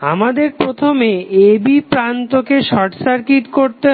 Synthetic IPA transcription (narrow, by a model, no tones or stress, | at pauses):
amad̪eɾpɾot̪ʰomeebipɾant̪okeʃɔʈsaɾkit̪koɾt̪e